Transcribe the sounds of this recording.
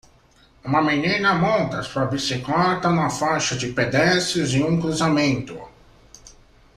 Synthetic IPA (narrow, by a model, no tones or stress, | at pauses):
ũmɐmenĩnɐmõnt̪ɐspɾɐbisiklat̪ɐũmɐfajʃɐd͡ʒɪped̪ɛsɪzɪũŋkɾuzamẽnt̪ʊ